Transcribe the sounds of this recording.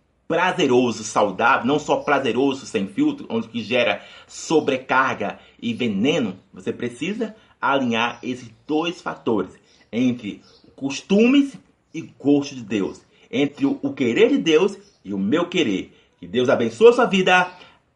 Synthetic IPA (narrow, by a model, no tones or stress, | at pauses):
pɾazeɾozʊsawd̪avewnɐ̃w̃sɔpɾazeɾozʊsẽj̃fiwt̪ɾʊʔõd͡ʒɪkɪʒɛɾɐsobɾekaɾɡɐ | ɪvẽnẽnʊvosepɾesizɐ | alĩɲaɾesɪzd̪ojsfa̰t̪oɾɪs | ẽnt̪ɾɪ | ʊkoʃt̪ũmɪs | ɪɡoʃt̪ʊd͡ʒɪd̪ews | ẽnt̪ɾɪʊkeɾeɾd͡ʒɪd̪ews | ɪʊmewkeɾeɾ | kɪd̪ewzabẽsoɐsuɐvid̪ɐ